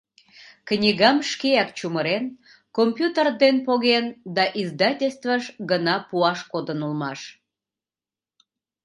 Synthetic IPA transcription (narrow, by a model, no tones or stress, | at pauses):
knʲiɣɑmʃkeɑkt͡ɕuməɾen | kompjut̪ərd̪enpoɣend̪ɑʔizd̪ɑtʲelʲst̪vəʃɡənɑpuɑʃkod̪ənulmɑʃ